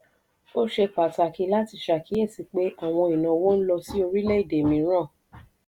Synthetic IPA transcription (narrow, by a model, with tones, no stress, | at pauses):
o˦ʃe˧k͡pa˨ta˨ki˨˧˦la˦ti˧ʃa˨ki˨˦e˦˨si˧k͡pe˦ʔa˦˨w̃ɔ̃˧i˨nã˨˧wo˦n̩˦lɔ˧si˦o˧ɾi˦le˦i˦˨de˨mĩ˨˦ɾ̃ã˦˨